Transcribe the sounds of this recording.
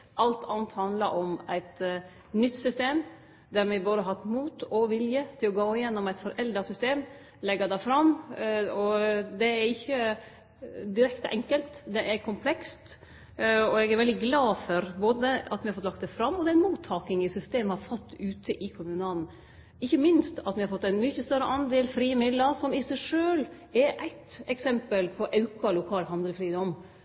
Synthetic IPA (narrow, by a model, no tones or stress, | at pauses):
ʔɑlt̪ʰɑːnət̪hɑnd̪ləɾʔɔmæɪt̪ | nʏt̪ːsʏst̪eːm | d̪æɾmɪbɑːd̪əɦɑt̪muːt̪ʰɔʋɪljət̪ʰɪlɔɡoːɪjɛnːɔmæɪt̪fɔɾʔɛld̪ɑsʏst̪eːm | lɛɡəd̪ɛfɾɑm | ɔd̪ɛæɾɪçːə | d̪ɪɾɛkt̪əʔɛŋkəlt̪d̪ɛʔæɾkʰʊmpʰlɛkst̪ | ɔɛɡæɾʋɛld̪ɪɡlɑːfɔɾboːd̪əɑt̪mɪhɑfɔt̪lɑkt̪d̪ɛfɾɑmːɔd̪ɛɪnmuːt̪ʰːɑːkɪŋɪsʏst̪eːməhɑɾfɔt̪ːʉːt̪ʰəʔɪkʰʊmʉːnəɑln̩ | ɪçːəmɪnst̪ɑt̪mɪhɑɾfɔt̪ːæɪnmʏçəst̪œɾəʔɑnd̪eːlfɾiːəmɪd̪ləɾsɔmɪsæɪʂøːl | ɛɾʔæɪt̪ɛksɛmpəlpʰɔʔɑʉkɑlʊkʰɑːlɦɑnd̪əlfɾiːd̪ɔmː